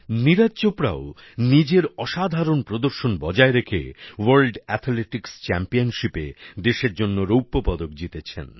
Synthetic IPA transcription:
niɾad͡ʑd͡ʑopɾa̰o | nid͡ʑeɾɔʃad̪ʱaɾonpɾod̪oɾʃonbɔd͡ʑaeɾekʰḛwaɾlɖɛt̪ʰleʈikst͡ɕɛ̰mpionʃipḛd̪eʃeɾd͡ʑonːoɾowpːopɔd̪okd͡ʑit̪et͡ɕʰḛn

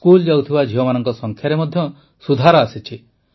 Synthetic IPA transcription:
kuld͡ʒawt̪ʰibad͡ʒʱiɔmanɔŋkɔsɔŋkʰjaɾemɔd̪ʱjɔ | sud̪ʱaɾɔasit͡ʃʰi

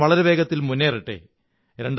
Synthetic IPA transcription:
ʋɐɭɐɾebe̞ːɡɐt̪ːilmunːeːriʈːḛ | ɾeɳɖ

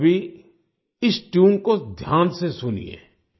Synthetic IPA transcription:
bʱi | ɪsʈjuːnkod̪ʱjaːnsesʊnḭḛ̃ː

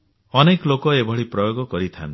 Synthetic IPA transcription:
ɔnekɔlokɔebʱɔɭipɾɔjoɡɔkɔɾit̪ʰa̰n

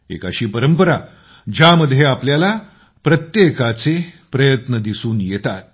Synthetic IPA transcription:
ḛka̰ɕiːpəɾəmpəɾa̰ | d͡ʑaməd̪ʱːjeapljala | pɾət̪jekat͡se | pɾəjət̪nəd̪isuːnjɛt̪at̪̚

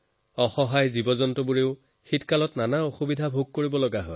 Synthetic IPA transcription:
ɔxɔɦajzibɔzɔntɔbuɹeʊ | xitkalɔtnanaoxubidʱabʱuɡ̚koɹibɔlɔɡaɦɔj

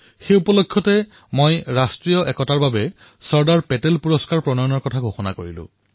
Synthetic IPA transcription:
xejupɔlokʰːjɔtɛ | mojɹastɹijɔʔɛkɔtaɹbabɛ | sɔɹdaɹpɛtelpuɹɔskaɹpɹɔnɔjɔnɔɹkɔtʰaɡʱoxɔna̰koɹḭlʊ̰̃

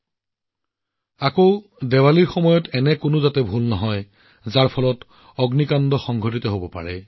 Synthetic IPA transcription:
ako | dɛwaliɹxɔmɔjɔtʰɛnɛkʊnʊzatɛbʱulnɔɦɔj | zaɹpʰɔlɔt | ɔɡnikandɔxɔŋɡʱot̬itɔɦobɔpa̰ɹɛ

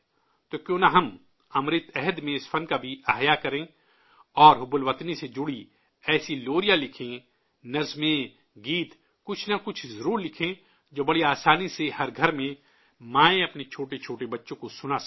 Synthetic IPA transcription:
t̪okjõːnaɦɐm | ɐmɾɪt̪ɛɦəd̪mẽɪsfʰɐnkabʱiɐɦjakɐɾẽ | ɔːɾɦʊbʊlʋət̪nised͡ʒʊɽi | ɛːsiloːɾijalɪkʰẽ | nɐɾzmẽ | ɡiːt̪ | kʊt͡ʃʰnakʊt͡ʃʰzɐɾuːɾlɪkʰẽ | d͡ʒoːbɐɽiaːsaːnisehɐɾɡʱɐɾmẽ | mãːẽɐpnet͡ʃʰoːʈet͡ʃʰoːʈebɐtːʃõkosʊna

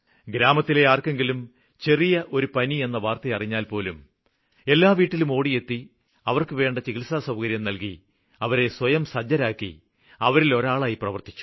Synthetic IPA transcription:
ɡɾaːmɐt̪ːile̞aːrke̞ŋɡilum | t͡ɕe̞rijɐʔo̞ɾupɐnie̞nːɐʋaːrt̪ɐjɐriɲːaːlpo̞ːlum | e̞lːaːʋiːʈːilumo̞ːɽije̞t̪ːi | ɐʋɐrkɨʋe̞ːɳɖɐt͡ɕiɣilsasɐwkɐɾjɐmnɐlki | ɐʋɐɾe̞swɐjɐmsɐd͡ʑːɐɾaːkːḭ | ɐʋɐɾilo̞ɾaːɭaːjiprɐʋɐrt̪i̥t͡ɕːu̥

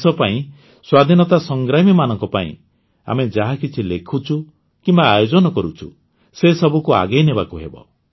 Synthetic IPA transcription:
sɔpaĩ | swad̪ʱinɔt̪asɔŋɡɾamimanɔŋkɔpaḭ̃ | a̰med͡ʒaɦakit͡ʃʰilekʰut͡ʃʰu | kimbaːjod͡ʒɔnɔkɔɾut͡ʃʰṵ | sesɔbukua̰ɡejnebakuɦebɔ̰

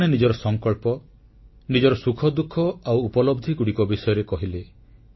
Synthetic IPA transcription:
ɽ̃enid͡ʒɔɾɔsɔŋkɔɭpɔ | nid͡ʒɔɾɔsukʰɔd̪ukʰɔawupɔlɔbd̪ʱikuɽikɔbisɔjɔɾekɔɦile

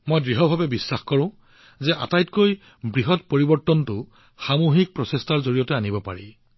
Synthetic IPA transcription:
mojdɹiɦɔbʱabɛbisːaxkɔɹʊ̃ | zɛʔa̰tajtkoj | bɹiɦɔt̚poɹibɔɹtɔntʊ | xamoɦik̚pɹɔsestaɹzoɹijɔtɛanibɔpa̰ɹḭ

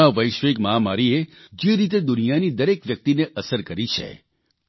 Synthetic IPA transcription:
aʋəjʃʋekməɦamaɾied͡ʒeɾit̪̬ed̪ʊnijanid̪əɾekʋjək̚t̪ineʔəsəɾkəɾit͡ʃʰḛ

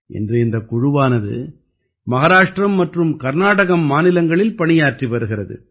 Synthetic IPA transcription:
ʔɛ̰ndrɯɪnd̪ɐkːʊɻʊʋaːnɐðɯ̰ | mɐɣɐɾaːʂʈrɐmːɐʈrɯmkɐɾnaːɽɐɣɐmːaːnɪlɐŋɡɐɭɪlpɐɳɪjaːʈriʋɐɾɯɣɪrɐðɯ̰

